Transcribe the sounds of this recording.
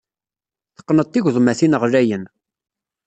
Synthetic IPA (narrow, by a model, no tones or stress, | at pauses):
θə̥qːnət̪ˤːiʝðˤmæθinəʁɾæjən